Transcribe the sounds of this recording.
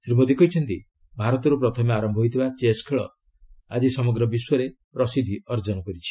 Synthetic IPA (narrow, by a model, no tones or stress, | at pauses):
sɾibod̪ikɔɦjt͡ʃʰɔnt̪i | bʱaɾɔt̪ɔɾupɾɔt̪ʰɔmeaɾɔmbʱɔɦojt̪ʰibat͡ʃeskʰeɭɔ̰ | ad͡ʒisɔmɔɡɾɔbiswɔɾepɾɔsid̪ʱiɔɾd͡ʒɔnɔkɔɾit͡ʃʰi̥